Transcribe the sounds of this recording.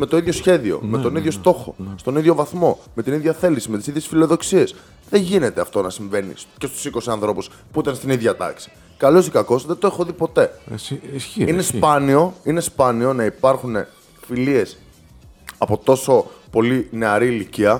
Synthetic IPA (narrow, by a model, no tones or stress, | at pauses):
me̞t̪o̞iðʝo̞sçe̞ðio̞̰me̞t̪o̞niðʝo̞st̪o̞xo̞̰st̪o̞niðʝo̞vɐθmo̞me̞t̪iniðʝɐθe̞lisime̞t̪i̥siðje̞sfilo̞ðo̞ksie̞s | ðeɲʝine̞t̪e̞ɐft̪o̞nɐsiɱve̞nḭce̞st̪u̥siko̞siɐnθɾo̞pus | puit̪ɐnst̪iniðʝɐt̪ɐ̰ksi̥ | kɐlo̞sikɐko̞sðe̞t̪oexo̞ðipo̞t̪e̞ | inespɐnio̞ine̞spɐnio̞nɐipɐɾxune̞ | filie̞s | ɐpo̞t̪o̞so̞po̞line̞ɐɾiːliciɐ